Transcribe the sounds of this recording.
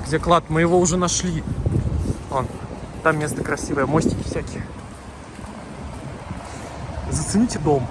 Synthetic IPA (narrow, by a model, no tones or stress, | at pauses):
ɡdʲd͡zʲeklˠat̪mɨjɪvoʊʐɛnaʂlʲi | ont̪amʲːest̪əkɾɐsʲivəjəmosʲtʲɪ̥kʲɪ̥fsʲækʲɪ | zət̪sɨnʲitʲɪd̪om